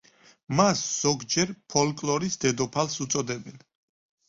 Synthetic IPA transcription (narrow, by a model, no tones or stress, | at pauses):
masz̥ɔɡd͡ʒɛɾpʰɔlkʼlɔɾisd̪ɛd̪ɔpʰalˠsut̪sʼɔd̪ɛbɛn